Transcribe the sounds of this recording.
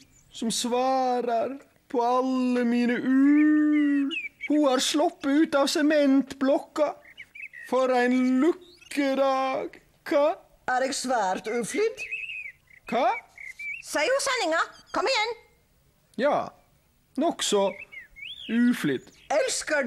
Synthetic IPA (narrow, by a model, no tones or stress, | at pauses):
sɔmsʋɑːɾəɾ | pʰɔɑlːəmiːnəʔʉː | huæːɾslɔpːəʉːt̪ɑːʋsɛmɛnt̪blɔkːɑ | fɔɾæɪnlʉkːəd̪ɑːɡ | kʰɑː | æɾɛːɡsʋæːɾt̪ʉːflʏd̪ | kʰɑː | sæɪusɛnɪŋɑkʰɔmːɪjɛnː | jɑː | nɔksɔ | ʉːflʏd̪ | ɛlskə